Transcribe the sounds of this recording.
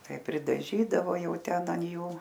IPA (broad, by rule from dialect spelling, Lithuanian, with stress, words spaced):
ˈtɐɪ pʲrʲɪdɐˈʒʲiːdɐʋoː ˈjɛʊ ˈtʲɛn ɐn ˈjuː